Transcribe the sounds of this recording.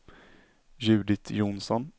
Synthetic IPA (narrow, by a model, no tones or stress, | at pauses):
jʉ̟ːd̪ɪt̪ʰjʊnsɔn